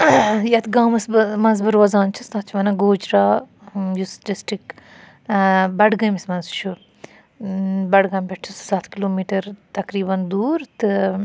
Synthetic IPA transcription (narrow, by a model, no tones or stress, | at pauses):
jɐt̪ʰɡaːmɐsbɨmɐnzbɐɾʋɐːzaːnt͡ʃʰist̪at̪t͡ʃʰmɐnɐɡoːd͡ʒɾaː | jusɖɪsʈɾik | bɐɽɡɐmismɐnzt͡ʃʰu | bɐɽɡɐmʲbʲeʈʰussɐt̪ʰkiloːmiːʈɐɾt̪ɐkɾiːbɐnd̪uːɾt̪ɨ